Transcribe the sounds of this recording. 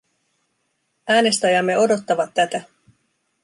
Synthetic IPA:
æːne̞st̪æjɑmːe̞o̞do̞t̪ːɑʋɑt̪ːæt̪æ

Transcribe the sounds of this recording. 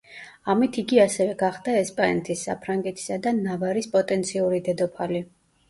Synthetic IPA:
amit̪ʰiɡiasɛvɛɡaχd̪aɛspʼanɛt̪ʰisːa̰pʰɾaŋɡɛt̪ʰi̥sad̪anavaɾispʼɔt̪ʼɛnt̪sʰiuɾid̪ɛd̪ɔpʰali

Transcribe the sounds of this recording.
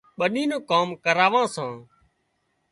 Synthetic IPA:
ɓəɗiːnõːkaːmkəɾaːʋãːsãː

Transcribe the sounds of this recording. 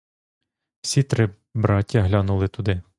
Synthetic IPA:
w̥sʲit̪ɾɪ | bɾɑtʲːɐɦlʲɑnulˠɪt̪ʊd̪ɪ

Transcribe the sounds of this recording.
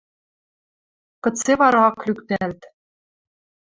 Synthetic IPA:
kɤ̆t͡seβɑɾɑklʲykt̪ælt̪

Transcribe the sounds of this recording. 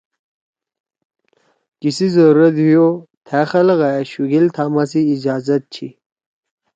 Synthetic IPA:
kisizɐɾuɾɐd̪ɦijot̪ʰæxɐlɣajaɕuɡilt̪ʰaːmasiːd͡ʑaːzɐt̪̚t͡ɕʰḭ

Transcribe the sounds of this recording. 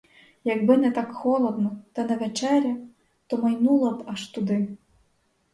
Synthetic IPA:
jɐɡbɪnɛt̪ɑkxɔlˠɔd̪nɔt̪ɐnɛʋɛt͡ʃɛɾʲɐ | t̪ɔmɐjnulˠɔpɐʃt̪ud̪ɪ

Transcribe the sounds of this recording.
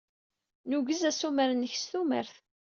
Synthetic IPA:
nuɡəzæsuməɾənəçst̪umə̰ɾθ

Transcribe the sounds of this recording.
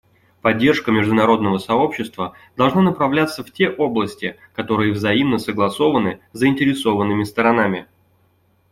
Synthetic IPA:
pɐdʲːe̞rʂkəmʲɪʐd̪ʊnɐɾo̞d̪nəvəsɐo̞pɕːɪst̪və | d̪ɐlˠʐnanəpɾɐvlʲat̪sːəftʲe̞ʔo̞blˠəsʲtʲɪ | kɐt̪o̞ɾɨjəvzɐimnəsəɡlˠɐso̞vənɨzəɪnʲtʲɪɾʲɪso̞vənːɨmʲɪst̪əɾɐnamʲɪ

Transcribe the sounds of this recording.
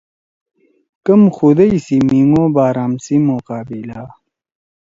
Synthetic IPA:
kɐmxud̪ɐjsimiŋobaːɾaːmsimoqaːbila

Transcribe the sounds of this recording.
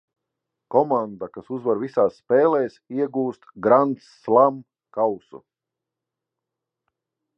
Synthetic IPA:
kɔmand̪akasuzvaɾvisaːsːpɛːlˠɛːsiɛɡuːst̪ɡɾant̪sːlˠam | kawsṵ

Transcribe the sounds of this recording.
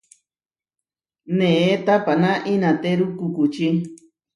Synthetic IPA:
neet̪apanãʔinat̪eɾukukut͡ʃi

